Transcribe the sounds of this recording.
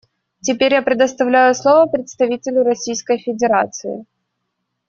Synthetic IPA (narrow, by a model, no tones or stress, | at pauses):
tʲɪpʲeɾʲjapɾʲɪd̪əst̪ɐvlʲæjʊslˠovəpɾʲɪt̪st̪ɐvʲitʲɪlʲʊɾɐsʲijskəjfʲɪdʲɪɾat̪sɨɪ̰